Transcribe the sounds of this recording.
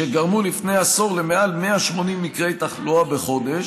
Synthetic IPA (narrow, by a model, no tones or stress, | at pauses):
eɡaʁmulifne̞jaso̞ʁlemeʔalmeaʃmo̞nimːikʁe̞jt̪aχluabeχo̞d̪e̞ʃ